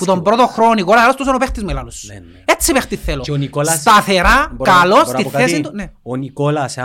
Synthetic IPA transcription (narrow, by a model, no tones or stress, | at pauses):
put̪o̞mbɾot̪oxɾoonikolɐslost̪usɐnopext̪izmelɐlus | et͡sːipext̪iθːeloonikolsst̪ɐθeɾakɐlosiθesit̪uneonikolɐs